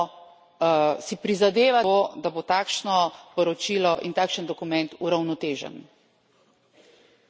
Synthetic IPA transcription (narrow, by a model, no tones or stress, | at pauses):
sipɾizad̪eːʋaod̪abot̪aːkʃnɔpɔɾɔt͡ʃilɔʔint̪aːkʃənd̪ɔkumɛnt̪uɾawnɔt̪eːʒə̰n